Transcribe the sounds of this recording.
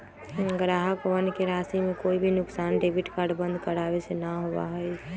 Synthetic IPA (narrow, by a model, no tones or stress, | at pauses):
ɡɾaɦəkʋənkeɾasimẽkoibʱinʊksaːnɖebʱiʈkaɾɖbə̃nd̪ʱkəɾabesenaɦoba̰ɦəj